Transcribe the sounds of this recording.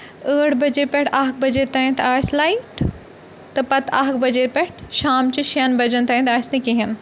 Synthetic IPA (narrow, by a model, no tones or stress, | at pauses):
əːɽbɐd͡ʑeːpɛʈʰaːk̚bɐd͡ʑet̪ːaːɦĩt̪aːslaːiʈ | t̪ɐpɐt̪ʰa̰ːɦkbɐd͡ʑeːt̪pʲɛʈʰʃaːmt͡ɕuʃɐnbɐd͡ʑənt̪aːɦĩt̪aːsnikiɦɐn